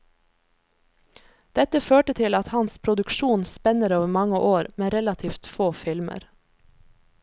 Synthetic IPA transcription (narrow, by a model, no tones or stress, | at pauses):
d̪̥ɛt̪əføːʈət̪ʰɪlɑt̪hɑnspʰɾʊd̪ʉkʃuːnspɛnəɾoːʋəmɑŋəʔoːɾmeːɾɛlɑt̪ʰiːft̪foːfɪlmə̰ɾ